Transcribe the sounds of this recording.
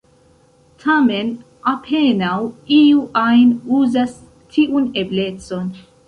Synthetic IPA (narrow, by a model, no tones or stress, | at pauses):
t̪ʰamen | apʰenawiuʔajnuːzas | t̪ʰiʔuneblet̪son